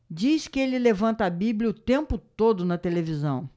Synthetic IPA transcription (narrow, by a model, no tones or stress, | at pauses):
d͡ʒiskɪelɪlevɐ̃nt̪ɐabiblʲiɐʊt̪ẽmpʊt̪od̪ʊnɐt̪elevizɐ̃w̃